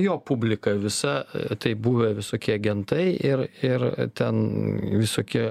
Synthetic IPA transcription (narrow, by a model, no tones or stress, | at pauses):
joːpʊbʲlʲɪkɐʋʲɪsɐt̪ɐɪbuʋʲɛʋʲɪsoːkʲiɐɡʲɛnt̪ɐɪʔɪɾɪɾt̪ʲɛnʋʲɪsoːkʲɪ